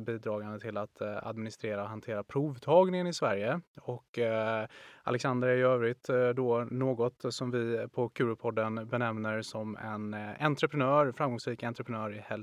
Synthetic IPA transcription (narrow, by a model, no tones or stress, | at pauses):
biːd̪ɾɑːɡand̪ət̪ʰɪlat̪a̰d̪mɪnɪst̪ɾeːɾaɔɦant̪ʰeːɾapʰɾuːvt̪ʰɑːɡnɪŋənɪsvæɾjəɔkː | ʔa̰lɛksand̪əɾæɾjʏøːvɾɪt̪d̪ɔnoːɡɔt̪sɔmvɪpʰɔkʰʉɾʊpʰɔd̪ːənbɛnɛmnəɾsɔmɛnant̪ɾəpʰɾənœːɾfɾamɡɔŋsɾiːkant̪ɾəpʰɾənœːɾɪhɛl